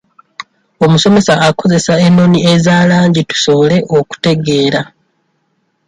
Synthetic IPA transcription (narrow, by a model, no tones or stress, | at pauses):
o̞muso̞me̞saːko̞ze̞saenːo̞niezaːlaːɲɟitu̥so̞le̞ʔo̞ku̥te̞ɡe̞ːɾa